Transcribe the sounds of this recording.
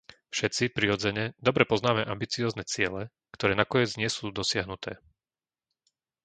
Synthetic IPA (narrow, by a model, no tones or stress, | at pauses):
fʃɛtt͡sipɾiɔd͡zɛɲɛd̪ɔbɾɛpɔznaːmɛʔambit͡siɔːznɛt͡sɪɛlɛ | kt̪ɔɾɛːnakɔɲɛd͡zɲɪɛsuːd̪ɔsɪaɦnut̪ɛː